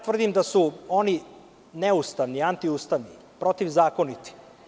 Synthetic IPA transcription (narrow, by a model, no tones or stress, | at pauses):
t̪vr̩d̪imd̪asuo̞ni | nɛust̪aʋniant̪iust̪aʋni | pɾo̞t̪iʋzaːko̞nit̪si̥